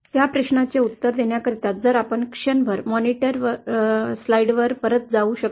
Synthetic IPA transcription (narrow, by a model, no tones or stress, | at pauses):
t̪japɾeɕnat͡seut̪ːəɾd̪eɳjakəɾit̪at̪̚d͡zəɾapəɳkʂənbʱəɾmɔniʈəɾʋəslajɽʋəɾpəɾət̪̚d͡zauːɕək